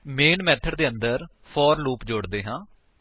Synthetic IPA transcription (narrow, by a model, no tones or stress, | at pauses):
meːnmɛːt̪ʰəɖd̪eːənd̪əɾ | pʰɔːɾluːpd͡ʒoɽd̪eːɦãː